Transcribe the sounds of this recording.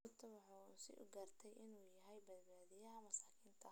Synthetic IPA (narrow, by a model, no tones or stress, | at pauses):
t̪ʰɐwɑħɑːsɪ̰ʔʊɡɐːrt̪ʰɛjʔɪnuːjɐɦɛjbɐd̪̚baːðijɐɦɐmɐsaːkʰiːnt̪ʰɐ